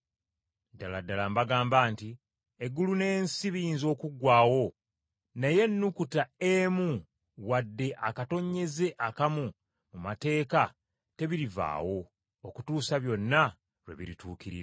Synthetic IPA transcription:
daladːalambaɡaːmbaːnti | eɡːulune̞ːnsiβiiːnzo̞ːkuɡwaːwo̞ | neje̞nːukutaemu | wadːe̞ʔakato̞ɲːe̞ze̞ʔakamu | mumate̞ːka | te̞βiɾiva̰ːwo̞ː | kutuːsaβjo̞nːa | ɾwḛβḭɾituːkiɾḭɾa

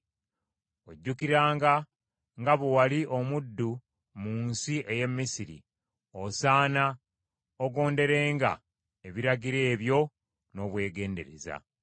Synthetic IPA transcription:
o̞ɟːukiɾaːŋɡa | ŋɡaβuwaliʔo̞mudːu | muːnsie̞je̞mːisiɾḭ | osaːna | oɡo̞ːnde̞ɾe̞ːŋɡa̰ | eβiɾaɡiɾe̞ːβjo̞ | no̞ːβwe̞ːɡe̞ːnde̞ɾḛza̰

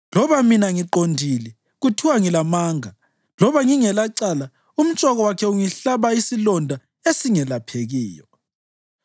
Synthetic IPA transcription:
lɔβaminaŋiǃondʱilɛ | ɣutʰiwaŋilamaːŋa | lɔβaŋiŋɛlaǀala | um̩t͡ʃʼɔɣɔwakʰɛuŋiɬaβaisilɔndʱa | esiŋɛlapʰeɣiːjɔ

